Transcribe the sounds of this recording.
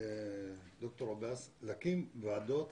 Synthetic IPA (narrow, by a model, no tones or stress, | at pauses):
d̪ok̚t̪oɾobeslakimvad̪ot̪